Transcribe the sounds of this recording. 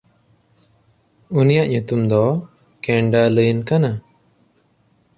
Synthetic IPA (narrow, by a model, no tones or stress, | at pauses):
unijaʔɲut̪umd̪ɔ | kɛɳɖaləjnkana